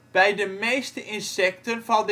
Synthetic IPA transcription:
b̥ɛjdəmejstəʔɪnsɛk̚tənvɑnd

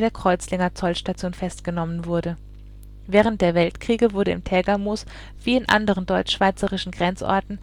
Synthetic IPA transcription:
deːɐkʁ̥ɔʏt͡slɪŋɐt͡sɔlʃtat͡sjoːnfɛstɡ̥ənɔmənvʊɐdə | vɛːʁ̞ənt̚d̥eːɐvɛltkʁ̥iːɡəvʊɐɾəɪ̰mtʰɛːɡamoːs | v̥iːɪnʔa̰ndəʁ̞əndɔʏt͡ʃʃv̥aɪt͡səʁɪʃn̩ɡʁɛnt͡sʔɔ̰ɐtn̩

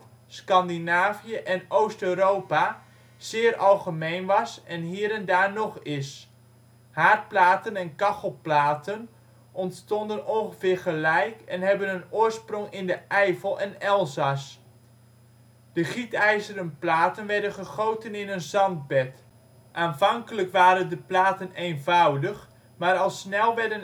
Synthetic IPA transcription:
skɑndinaːvijəʔɛnowstøɥɾowpa | z̥ɪːrʔɑlˠχəmejnʋɑsɛnɦiːəɾɛndaːɹnɔχɪs | haːɹt̚plaːtənɛnkɑχəlˠplaːtən | ʔɔntstɔndənɔnχəvɪːɹχəlɛjkɛnɦɛbənənʊːɹsprɔŋɪndəʔɛjvəlˠɛnɛlˠzɑs | d̥əχitɛjzəɾənplaːtənʋɛɹdənχəχowtənɪnənzɑnd̚bɛt | ʔaːnvɑŋkələkʋaːɾəndəplaːtənejnvawdəx | maːɾɑlˠsnɛlˠʋɛɹdən

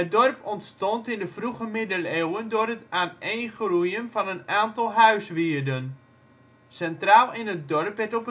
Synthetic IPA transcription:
ədɔrpɔntstɔntɪndəfruɣəmɪdəlewəndʊːrətaːnejnχrujənvɑnənaːntɑlˠɦœɥsʋiərdən | sɛntraːlˠɪnət̚dɔrpʋɛtɔpə

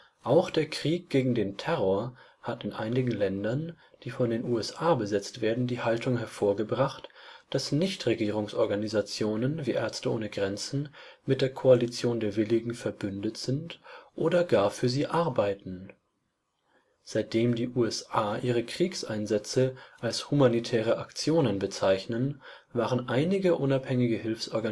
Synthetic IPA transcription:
ʔaʊxd̥eːɐkʁ̥iːk̚ɡ̥eːɡŋ̩deːntʰɛʁoɐ | hatɪnʔa̰ɪnɪɡŋ̩lɛndɐn | d̥iːfɔndeːnʔuːɛsʔaːbəzɛt͡stv̥eːɐdn̩diːhaltʊŋɦɛɐfoːɐɡəbʁaχtd̥asnɪçtʁ̥eɡiːʁ̞ʊŋsʔɔɐɡanizat͡sjoːnənviːʔɛɐstəʔoːnəɡʁɛnt͡sn̩mɪt̚d̥eːɐkʰoalit͡sjoːndeːɐvɪlɪɡŋ̩fɛɐbʏndətz̥ɪntʔoːdɐɡaːɐfyːɐziːʔaɐbaɪtn̩ | z̥aɪt̚d̥eːmdiːʔuːɛsʔaːʔiːʁəkʁ̥iːksʔaɪnzɛt͡səʔalshumanitʰɛːʁ̞əʔakt͡sjoːnənbət͡saɪçnənvaːʁənʔaɪnɪɡəʔʊnaphɛŋɪɡəhɪlfsʔɔɐɡa

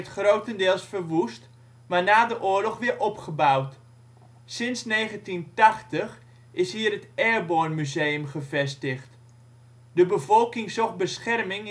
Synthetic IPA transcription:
tχrowtəndɪːəlˠsfərʋust | maɹnaːdəʔʊːɹlɔχʋɪəʔɔpχəbawt | sɪnsneːɣəntintaxtəx | ɪshiːərətɛːrboːnmyzeːəmχəvɛstəxt | dəbəvɔlˠkɪŋsɔxbəsχɛrmɪŋ

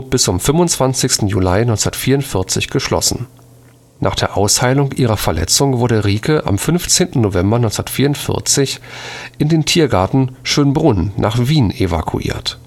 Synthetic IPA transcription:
b̥ɪst͡sʊmfʏmʊnt͡sv̥ant͡sɪçstn̩julaɪnɔʏt͡snɐtfiːɐʊntfɪɐt͡sɪçɡ̥əʃlɔ̰sn̩ | nʔaːχd̥eːɐʔaʊshaɪlʊŋʔiːʁ̞ɐfɛɐlʔɛ̰t͡sʊŋvʊɐɾəʁiːkʰəʔa̰mfʏnft͡seːntn̩novɛmbɐnɔʏnsdɐtfiːɐʊntfɪ̰ɐt͡sɪçʔɪndeːntʰiːɐɡaɐtn̩ʃøːnbʁʊnːʔa̰ːχv̥iːnʔeva̰kʰṵʔḭːɐt

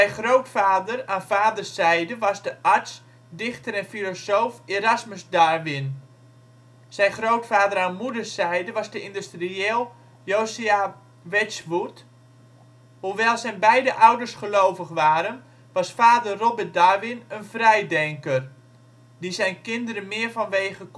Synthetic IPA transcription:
sɛjχrowtfaːdəraːnfaːdərsɛjdəʋɑzdəʔaɹs | dɪxtəɾɛnfilosoːfeɾasməsdaːrʋɪn | sɛjnχrowtfaːdəɾaːnmudərsɛjdəʋɑzdəɪndystrieːlˠ | joːsia | ʋɛsʋut | huʋɛlˠsɛjnbɛjdəʔawdərsχəlowvəχʋaːɾən | ʋɑsfaːdərrobət̚darʋɪnənfrɛjdɛŋkər | disɛjnkɪndəɾənmɪərfɔnʋeːɣək

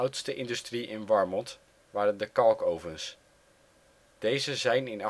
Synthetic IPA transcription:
wtstəʔɪndystriʔɪnʋɑɹmɔnt | ʋaːrəndəkɑlˠkowvəns | d̥ejzəzɛjnɪnɑ

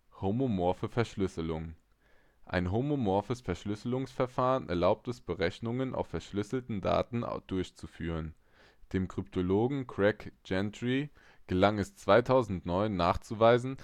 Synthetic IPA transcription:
homomɔɐfəfɛɐʃlʏsəlʊŋ | ʔa̰ɪnɦomomɔɐfəsfɛɐʃlʏsəlʊŋsfɛɐfaːʁənʔɛ̰ɐlaʊp̚tɛsb̥əʁɛçnʊŋənʔa̰ʊfːɛɐʃlʏsl̩tn̩da̰ːtn̩̰d̥ʊɐçt͡sufyːʁən | d̥eːmkʁ̥yptʰoloːɡŋ̩kʰʁ̥ɛkd͡ʒɛntʁi | ɡ̥əlaŋɛst͡sv̥aɪtʰaʊzn̩tnɔʏnːaːχt͡suvaɪzn̩

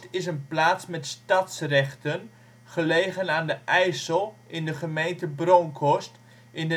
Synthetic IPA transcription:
tɪsənplaːtsmɛtstɑtsrɛχtən | χəlejχənaːndəʔɛjsəlˠɪndəχəmejntəbroŋkʰɔst | ʔɪndə

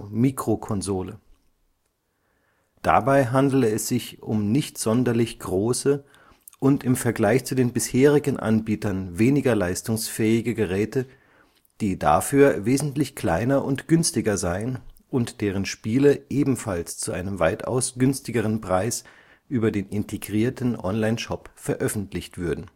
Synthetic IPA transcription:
miːkʁ̥okʰɔnzoːlə | d̥a̰baɪɦandl̩əɛsz̥ɪçʔʊmnɪçtz̥ɔndɐlɪçɡ̥ʁoːsə | ʔʊntɪmfɛɐɡlaɪçt͡sudeːnbɪsheːʁɪɡn̩ʔa̰nbiːtɐnveːnɪɡɐlaɪstʊŋsfɛːɪɡəɡəʁɛːtə | d̥iːda̰fyːɐveːzn̩tlɪçkl̥aɪnɐʔʊntɡ̥ʏnstɪɡɐzaɪənʔʊntd̥eːʁ̞ənʃpiːləʔeːbm̩falst͡suʔaɪnəmvaɪta̰ʊsɡ̥ʏnstɪɡəʁ̞ənpʁ̥aɪs | ʔyːbɐdeːnɪntʰeɡʁiːɐtn̩ʔɔnlaɪnʃɔpfɛɐʔœfn̩tʰlɪçtv̥ʏɐdn̩

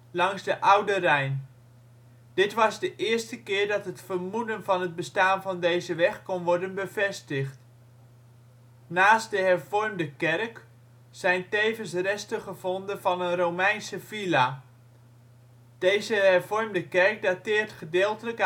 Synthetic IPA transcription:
lɑŋzdəʔʌwdərɛjn | d̥ɪtʋɑzdəʔɪːɹstəkɪːɹdɑtɦətfərmudənvɑnɦəd̚bəstaːnvɑndejzəʋɛχkɔnʋɔɹdənbəvɛstəχt | naːst̚dəɦɛrvɔɹmdəkɛrk | sɛjntejvənsrɛstəχəvɔndənvɑnənrowmɛjnsəvila | d̥ejzəɦɛrvɔɹmdəkɛrk̚datɪːrtχədɪːlˠtələk

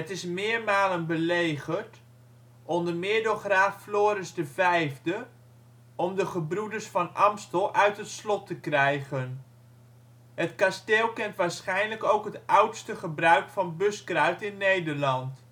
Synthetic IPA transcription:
ətɪsmɪːɹmaːlənbəlejχəɹt | ʔɔndəmɪːɹdoχraːfːloːɾɪzdəvɛjvdə | ɔmdəχəbrudəɹsfɑnʔɑmstəlˠʔœɥtɦətslɔtəkrɛjχən | ɦətkasteːlˠkɛntʋaːɹsχɛjnləkowkɦətʌwtstəχəbrœɥkfɑnbɵskrœɥtɪnːejdəɹlɑnt

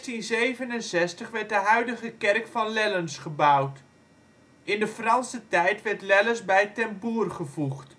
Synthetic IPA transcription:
tinzejvənənsɛstəχʋɛɹt̚dəɦœɥdəχəkɛrkfɑnlɛlənsχəbʌwt | ɪndəfrɑnsətɛjtʋɛrtlɛləsbɛjtɛmpuːrχəvuχt

